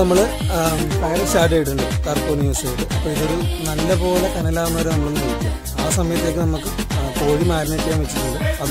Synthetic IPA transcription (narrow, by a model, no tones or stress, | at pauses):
nɐmːɐɭɨ | p̪ɐɣɐɾɐsaːʈ̬ːɐjʈ̬ːuɳɖɨkaːrpoːnjuːsejɽɨʔɐpːoːɭiðoɾunɐlːɐpo̞ːlekɐnɐlaːʋɐmːɐːɾenɐmːɐɭunːuɐkːu | aːsɐmɐjɐt̪ːekːɨnɐmukːɨko̞ːɻimaːɾinekːejaːmʋet͡ɕːiʈːuɳɖɨɐð